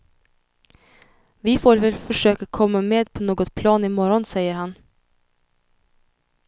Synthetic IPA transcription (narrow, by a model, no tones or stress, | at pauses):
vɪfoːɾvɛlfœʂøːkakʰɔmːameːd̪pʰɔnoːɡɔt̪̚pʰlɑːnɪmɔɾɔnsɛjəɾhan